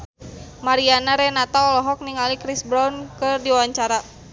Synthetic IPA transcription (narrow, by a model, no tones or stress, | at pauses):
maɾianaɾɛnat̪aɔlɔɦɔk̚niŋalikɾisbɾawnkərdiwawaɲt͡ʃaɾa